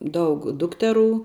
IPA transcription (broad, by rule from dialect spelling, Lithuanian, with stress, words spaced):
ˈdɐʊk ˈdʊktʲɛˌruː